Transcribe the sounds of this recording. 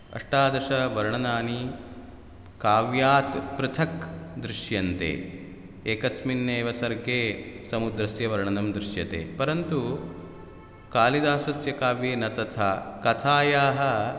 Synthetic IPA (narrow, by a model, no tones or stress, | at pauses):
ɐ̰ʂʈaːd̪ɐʂɐʋɐɾɳɐnaːni | kaːʋjaːt̪pɾɪt̪ʰɐkd̪ɾiʃjɐnt̪ḛː | eːkɐsminːeːʋɐsɐɾɡeːsɐmud̪ɾɐsjɐʋɐɾɳɐnɐmd̪ɾɪʃjɐt̪ḛːpɐɾɐnt̪u | kaːlid̪aːsɐsjɐkaːʋjeːnɐt̪ɐt̪ʰaːkɐt̪ʰaːjaːɦɐ̆